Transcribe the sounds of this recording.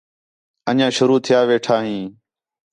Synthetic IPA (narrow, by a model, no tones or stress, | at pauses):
əɲãːʃʊɾuːt̪ʰɪjaːʋeːʈʰaːɦĩː